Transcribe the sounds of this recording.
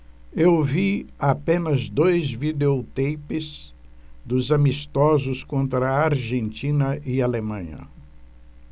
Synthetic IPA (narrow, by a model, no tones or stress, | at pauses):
ewviapẽnɐzd̪ojzvid̪eot̪ejpɪz | d̪ʊzamist̪ɔzʊskõnt̪ɾɐaɾʒẽnt͡ʃĩnɐʔɪalemɐ̃ɲɐ̰